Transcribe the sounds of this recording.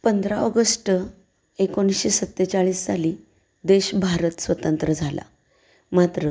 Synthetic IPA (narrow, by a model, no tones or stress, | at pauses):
pənd̪ʱɾaɔɡəsʈə | ekonɕisət̪ːet͡saɭiːsːaliː | d̪eɕbʱaɾət̪sʋət̪ənt̪ɾəd͡zʱala̰ | mat̪ɾə